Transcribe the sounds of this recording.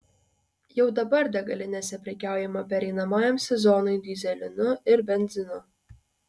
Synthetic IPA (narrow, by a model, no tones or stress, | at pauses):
jɛʊd̪ɐbɐɾd̪ʲɛɡɐlʲɪnʲɛsʲɛpʲɾʲɛkʲæˑʊjɛmɐpʲɛɾʲɛɪnɐmɑːjɛmsʲɛzɔnɔɪd̪ʲizʲɛlʲɪnʊɪɾbʲɛnʲzʲɪnʊ